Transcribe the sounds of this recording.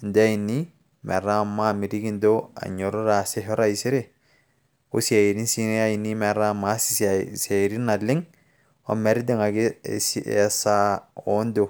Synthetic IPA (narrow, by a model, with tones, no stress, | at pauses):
nd̪e˦a˦ji˨nːi˦ | mɛ̰˨ɾa˦˨mːa˦mi˨ɾi˦ɡi˦nd̪o˦a̰˨ɲo˨ɾu˦ɾa˨se˦ɦɔ˦ɾa˦i˨si˦ɾe˨ | u˦si˦a˨ji˨ɾi˦nsi˦ne˦a˦ji˨nːi˦mɛ˨ɾa˦˨ma˨˦si˦sa˨ji˨ɾi˦na˨lːi˦ŋ | o̰˦me˨ɾi˦d̪e˦ŋa˨ɡḭ˦si˦ʔḛ˦sa˦o˦ndo˨